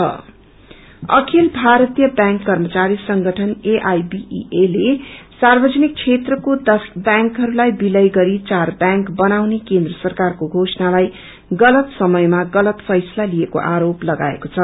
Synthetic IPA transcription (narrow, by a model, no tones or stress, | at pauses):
ʌ̰ | ʌ̰kʰilbʱaɾʌt̪ijʌbjãŋkːʌrmʌt͡saɾisʌŋɡʱʌʈʰʌneʔajbḭʔelesarbʌd͡zʌnik̚t͡sʰet̪rʌkod̪ʌsbjãŋkɦʌɾulajbilʌjɡʌɾit͡sarbjãŋkbʌnawnekend̪rʌsʌrkarkoɡʱosʌnalaj | ɡʌlʌt̪sʌmʌjmaɡʌlʌt̪pʰʌjsʌlaliekoʔaɾoplʌɡa̰ḛkot͡sʰʌ